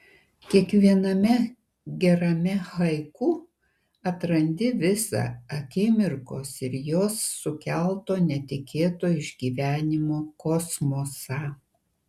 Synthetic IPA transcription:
kʲiɛkʋʲiɛnɐmʲɛ | ɡʲɛɾɐmʲɛhɐɪkuː | ɐt̪ɾɐnʲd̪ʲɪʋʲɪsɑ̰ɐkʲɪmʲɪɾkoːsɪɾjoːsːʊkʲælˠt̪oːnʲɛt̪ʲɪkʲʰeːt̪oːɪʒʲɡʲiːʋʲæːnʲɪmoːkɔsmoːsɐ

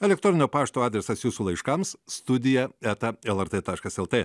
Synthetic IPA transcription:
ɛlʲɛk̚t̪ɾɔnʲɪnʲoːpɑːʃt̪oːɑːd̪ʲɾʲɛsɐsjuːsuːlˠɐɪʃkɐmsst̪ʊd̪ʲɪjɛæt̪ɐɛlˠɛɾt̪et̪ɑːʃkɐsɛlˠt̪eː

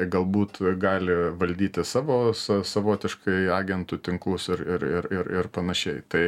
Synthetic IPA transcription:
ɡɐlˠbuːt̪ɡɑːlʲɪʋɐlʲd̪ʲiːt̪ʲɪsɑːʋoːsɐsɐʋoːt̪ʲɪʃkɐɪɑːɡʲɛnt̪ut̪ʲɪŋklˠʊsɪɾɪɾɪɾɪɾɪrpɐnɐʃʲɛɪt̪ɐɪ

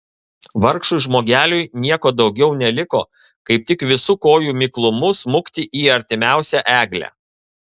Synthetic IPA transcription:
ʋɐɾkʃʊʒmoːɡʲæːlʲʊjnʲiɛkoːd̪ɒʊɡʲɛʊnʲɛlʲɪko̰ː | kɐɪp̚t̪ʲɪkʋʲɪsukoːjuːmʲɪklˠʊmʊsmʊkt̪ʲɪʔiːɐɾʲt̪ʲɪmʲæˑʊsʲæʔæːɡlʲæ̰

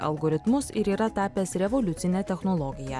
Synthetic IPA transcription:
ɐ̰lˠɡoːɾʲɪt̪mʊsɪɾiːɾɐt̪ɑːpʲeːsɾʲɛʋoːlʲʊt̪sʲɪnʲɛːt̪ʲɛxnoːlˠɔːɡʲɪjɛː

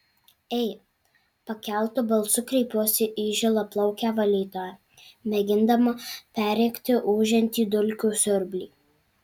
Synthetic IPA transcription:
ɛɪ | pɐkʲɛlˠt̪ʊbɐlˠsʊkɾʲɛɪpʲuɔsʲɪʔiʒʲɪlˠɐplˠɐʊkʲæːʋɐlʲiːt̪oːjɛ | mʲɛɡʲɪnd̪ɐmɐpʲæːɾʲɛɪkʲt̪ʲɪʔuːʒʲɛnʲt̪ʲiːd̪ʊlʲkʲuːsʲʊɾʲbʲlʲiː

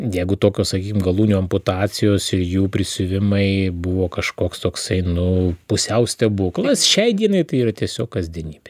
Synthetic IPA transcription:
jɛɪɡʊt̪oːkʲoːsɐkʲiːkʲɪmɡɐlˠuːnʲuːɐmpʊt̪ɑːt͡sʲɪjoːsɪɾjuːpʲɾʲɪsʲʊʋʲɪmɐɪbʊʋoːkɐʃkoːkst̪oːksɐɪnʊpʊsʲɛʊsʲt̪ʲɛbuklˠɐsʃʲɛɪd̪ʲiɛnɐɪt̪ɐɪiːɾɐt̪ʲiɛsʲoːkɐzʲd̪ʲiɛnʲiːbʲɛ

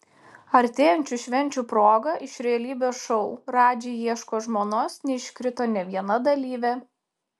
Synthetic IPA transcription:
ɐɾʲt̪ʲeːjɛnʲt͡ʃʲuʃʲʋʲɛnʲt͡ʃʲuːpɾoːɡɐʔɪʃɾʲɛɐlʲiːbʲoːsʃɔʊɾɑːd͡ʒʲɛːjiɛʃkoːʒmoːnoːsnʲɛɪʃʲkʲɾʲɪt̪oːnʲɛʋʲiɛnɐd̪ɐlʲiːʋʲɛ

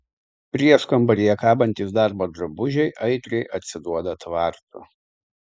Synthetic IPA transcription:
pʲɾʲiɛskɐmbɐɾʲijɛkɑːbɐnʲt̪ʲiːsd̪ɑɾboːd̪ɾɐbʊʒʲɛɪʔɐɪt̪ʲɾʲɛɪʔɐt̪ʲsʲɪd̪uɔd̪ɐt̪ʋɑˑɾt̪ʊ̰

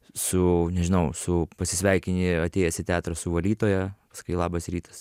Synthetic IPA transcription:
sʊnʲɛʒʲɪnɐʊsʊpɐsʲɪsʲʋʲɛɪkʲɪnʲɪɐt̪ʲeːjɛsʲɪt̪ʲæːt̪ɾɐsʊʋɐlʲiːt̪oːjɛpɐskʊɪlˠɑːbɐsɾʲiːt̪ɐs

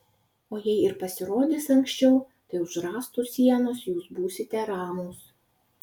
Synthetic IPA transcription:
oːjɛɪɪɾpɐsʲɪɾoːd̪ʲeːsɐŋkʲsʲt͡ʃʲɛʊ | t̪ɐɪʊʒɾɑːst̪usʲiɛnoːsjuːsbuːsʲɪt̪ʲɛɾɑːmoːs

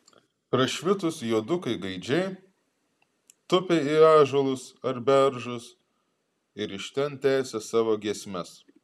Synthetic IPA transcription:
pɾɐʃʲʋʲɪt̪ʊsjuːd̪ʊkɐɪɡɐɪd͡ʒʲɛɪ | t̪ʊpʲeɪɑːʒoːlˠʊsɐɾbʲɛɾʒʊs | ɪɾɪʃʲt̪ʲɛnt̪ʲæːsʲɛsɑːʋoːɡʲiɛsʲmʲɛs

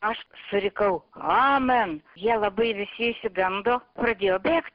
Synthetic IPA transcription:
ɐʃsʊɾʲɪkɐʊɑmɐnjiɛlˠɐbɐɪʋʲɪsʲɪɪʃʲsʲɪɡɐnd̪oːpɾɐdʲeːjoːbʲeːkt̪̚ʲ

